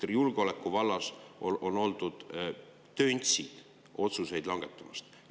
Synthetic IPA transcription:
rijulɡ̥eole̞kːˑuvɑlːɑsoʔo̞no̞ld̪̥ud̪̥ | t̪ːønʲt̪sid̪̥ | o̞t̪suse̞jd̪̥lɑŋɡ̥e̞t̪ˑːɑmɑst̪

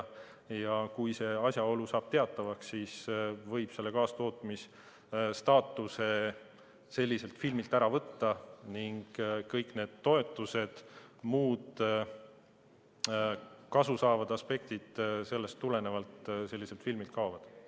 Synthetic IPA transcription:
jɑkujse̞ɑsʲjɑo̞lusɑːb̥̚t̪e̞ɑt̪ːˑɑvɑksːiːsvɤjb̥se̞lːe̞kɑːst̪o̞ːt̪ˑmis | st̪ɑːt̪ːˑuse̞ | se̞lʲːise̞lt̪filmilt̪æɾɑvɤt̪ːɑniŋɡ̥kɤjkne̞ːd̪̥̚t̪ːo̞et̪ːˑuse̞d̪̥muːd̪̥ | kɑsusɑːvɑd̪̥ɑspe̞k̚t̪id̪̥se̞lːe̞st̪ːule̞ne̞vɑlt̪selːise̞lt̪filmilt̪̚kɑovɑd̪̥

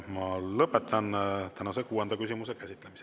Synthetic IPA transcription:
mɑlɤpːˑet̪ʰːˑɑnt̪ænɑsekuːend̪ɑkysʲimusekæsʲit̪ːˑle̞mise

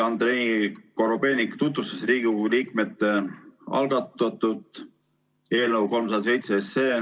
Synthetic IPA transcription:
ɑnd̪ɾenikoɾobe̞ːnikt̪ut̪vust̪esriːɡ̥iiliːkme̞t̪ːˑeɑ̰lɡ̥ɑt̪ːˑɑt̪ːut̪ˑ | e̞ːlnəwko̞lmsɑd̪ɑs̬e̞jt̪seeseː

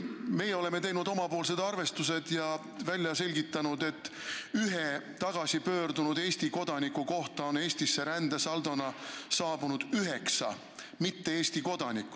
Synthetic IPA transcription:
me̞jeo̞le̞me̞t̪e̞jnud̪̥o̞mɑpo̞ːls̬e̞d̪̥ɑrve̞st̪use̞d̪̥jɑ | vælʲjɑse̞lʲɡit̪ːˑɑnud̪e̞t̪ːyɦet̪ɑɡ̥ɑsipø̞ːrd̪unud̪̥e̞ːsʲt̪iko̞d̪̥ɑnikuko̞ht̪ɑo̞ne̞ːst̪isːe̞ɾænd̪̥esɑld̪onɑsɑːb̥unud̪̥yɦe̞ksɑ̰ | mit̪ːe̞eːsʲt̪iko̞d̪̥ɑnikːˑu̥

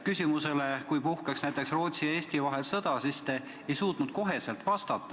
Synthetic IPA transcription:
kysʲimuse̞le̞kujpuhkɑksnæjt̪ːˑe̞ksro̞ːt̪sijɑeːsʲt̪ivɑɦe̞lsɤd̪̥ɑsist̪e | ejsuːt̪nud̪̥̚ko̞ɦe̞se̞lt̪vɑst̪ɑt̪ːˑɑ

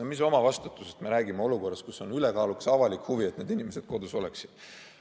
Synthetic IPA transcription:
omis̬o̞mɑvɑst̪ut̪ːˑusest̪meɾæːɡimeo̞luko̞rːɑst̪kusːo̞nyle̞kɑːluksɑvɑlikhuvie̞t̪ne̞ːd̪inime̞sed̪̥̚ko̞d̪uso̞leksid̪̥

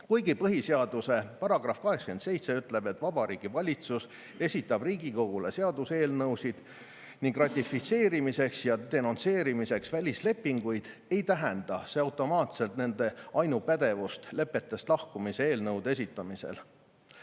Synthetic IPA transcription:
kujɡipɤɦiseɑd̪use̞pɑɾɑɡ̥rɑfkɑɦe̞kske̞nt̪se̞jt̪se̞yt̪ːˑle̞b̥e̞t̪ːˑvɑb̥ɑɾiːɡ̥ivɑlʲit̪sus | e̞sʲit̪ːˑɑb̥riːɡiko̞ɡ̥ule̞se̞ɑd̪use̞ːlnɤwsid̪̥ | niŋɡ̥rɑt̪ʲːˑifit̪se̞ːɾimise̞ksjɑt̪e̞nont̪se̞ːɾimise̞ksvælʲisle̞pːiŋɡ̥ujd̪̥ | e̞jt̪æɦɛnd̪̥ɑseɑwt̪ːˑo̞mɑːt̪se̞lt̪ne̞nd̪e̞ɑjnupæd̪e̞vust̪le̞pːˑe̞t̪ːˑe̞st̪lɑhkumise̞e̞ːlnɤwd̪e̞s̬ʲit̪ːˑɑmisḛl

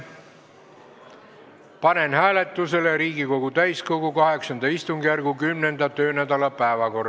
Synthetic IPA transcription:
pɑne̞nhæːle̞t̪ːˑus̬e̞leɾiːɡiko̞ɡ̥ut̪æjsko̞ɡ̥ukɑɦe̞ksɑnd̪̥ɑist̪uŋɡ̥jærɡ̥ukymne̞nd̪̥ɑt̪ø̞ːnæd̪̥ɑlɑpæevɑko̞r

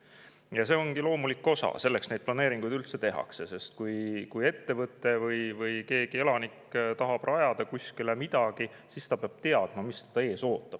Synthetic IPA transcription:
jɑse̞o̞ŋɡilo̞ːmulikːˑo̞sɑ̰se̞lːeksne̞jd̪̚plɑne̞ːɾiŋɡ̥ujd̪ylt̪se̞t̪e̞ɦɑ̰kse̞se̞st̪̚kujkuje̞t̪ːe̞vɤt̪ːˑe̞vɤjvɯjke̞ːɡ̥ie̞lɑnikːt̪ɑɦɑb̥rʔɑjɑd̪̥ɑkuskilemid̪̥ɑɡ̥i | sist̪ɑpeɑb̥t̪e̞ɑd̪̥mɑmist̪ɑ̥t̪ɑe̞ːso̞ːt̪ːˑɑb̥

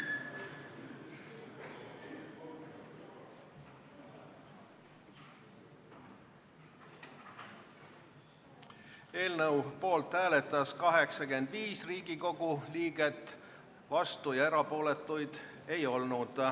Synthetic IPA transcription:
e̞ːlnɤwpo̞ːlt̪hæːle̞t̪ːˑɑskɑɦe̞ksɑke̞nd̪viːsriːɡiko̞ɡ̥uliːɡe̞t̪ːˑ | vɑst̪ujɑe̞ɾɑpo̞ːle̞t̪ːˑujd̪̥ | e̞jo̞lnud̪̥

